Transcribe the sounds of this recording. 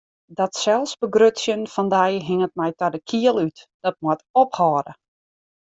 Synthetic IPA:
dɔtsɛlˠsbəɡrøtsjənfɔndɛjɦɪŋət̚mɛjtɔdəkʰiəlˠytd̥ɔt̚mwətophɔːdə

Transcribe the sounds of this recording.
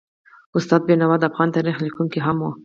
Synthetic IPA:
ʊst̪ɑd̪̚benawɑd̪əafɣɑnt̪aɾixlikuŋkiɦamwo

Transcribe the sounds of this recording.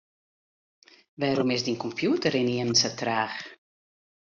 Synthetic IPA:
ʋaːɾɔmɪsdinkɔmpjuːtəɾɪniənnsətraːx

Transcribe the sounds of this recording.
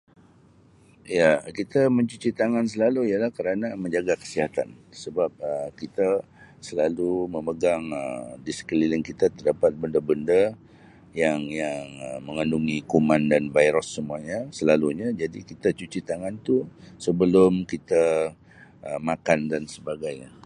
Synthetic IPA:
jakit̪amə̃ɲt͡ʃut͡ʃit̪aŋans̬əlaluijəlahkəɾanamə̃ɲd͡ʒaɡakə̥siɦat̪a̰nsəbap̚əkit̪a | səlaluməməɡaŋə̰disə̥kəlilənkit̪at̪ərdapat̪̚bəndəbəndə | jaŋjaŋəməŋənduŋikomãndanvajɾɔsːəmuaɲəsəlaluɲəd͡ʒadikit̪at͡ʃut͡ʃit̪aŋant̪usəbəlʊmkit̪a | ʔəmakandansəbaɡajɲə

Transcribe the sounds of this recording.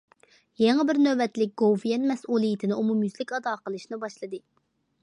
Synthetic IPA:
jeŋɛbɪɾnøvɛt̪lɪk̚ʲɡ̥owvijɛnmɛsʔulˠijit̪ʰɪnɪumumjyzlɪkʲɑd̪ɑːqəlˠɨʃnɨbɑʃlˠɨd̪ɨ

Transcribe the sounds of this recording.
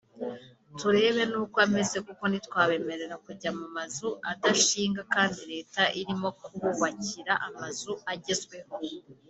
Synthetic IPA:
tuɾe̞ːβe̞nuːkwame̞ze̞kuko̞nitwaːβe̞me̞ɾe̞ɾakuɟamumazuadaʃiːŋɡakaːndiɾe̞ːtaʔiɾimo̞kuβuβaciɾaʔamazuaɟezɡwe̞ho̞

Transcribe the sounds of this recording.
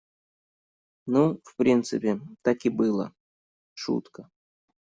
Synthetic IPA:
nufpɾʲint̪sɨpʲɪt̪akʲɪbɨlˠə̰ | ʂṵt̪kə

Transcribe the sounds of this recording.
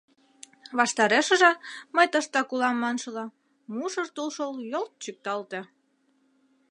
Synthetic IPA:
βɑʃt̪ɑɾeʃəʒeməjt̪əʃt̪ɑkulɑmːɑnʃəlɑ | muʃərt̪ulʃəljolt̪̚t͡ɕyk̚t̪ɑlt̪e

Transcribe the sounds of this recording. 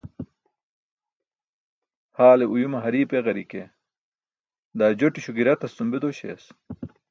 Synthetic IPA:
haːleʔujumɐɦɐɾiːpeɣɐɾike | d̪aːd͡ʑoʈiɕuɡiɾɐt̪ɐst̪umbed̪oɕḛːs

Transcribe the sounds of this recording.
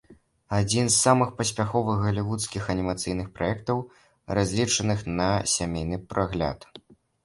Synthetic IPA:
ad͡zʲinsːamɨxpɐsʲpʲaxɔvɨɣɣɐlʲivut̪skʲixɐnʲimat̪sɨjnɨxpɾajɛkt̪ɐw | razʲlʲit͡ʂɐnɨxnɐsʲamʲejnɨpɾʔaɣlʲa̰t̪

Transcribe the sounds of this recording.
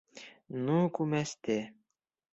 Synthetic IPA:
nukumɛst̪e

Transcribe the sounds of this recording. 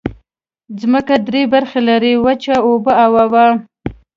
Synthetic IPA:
zməkad̪ɾebaɾxelaɾiwat͡ʃaobəawawa

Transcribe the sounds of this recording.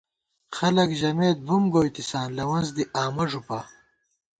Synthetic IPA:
xɐlɐkʑɐmeːd̪̚bumɡoːjt̪isaːnlɐwɐnzd̪iʔaːmɐʐupa

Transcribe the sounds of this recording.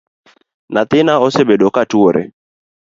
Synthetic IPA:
nat̪ɪnaɔsebeɗɔkatuoɾʔɛ̰

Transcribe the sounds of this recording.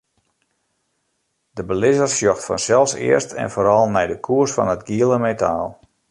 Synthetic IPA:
dəbəlɪzərsjɔxtfɔ̰nsɛlˠfsɪ̰ərstʰɛ̰nfoːɾɑlˠnɛjdəkʰuərsfɔ̰nətɡiəlˠəmetʰa̰ːlˠ

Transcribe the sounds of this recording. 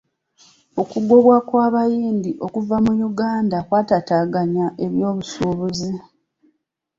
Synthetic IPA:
o̞kuɡo̞βwakwaːβajiːndiʔo̞kuvamujuɡaːndakwaːtataɡaɲaʔe̞βjo̞ːβusuːβuzi

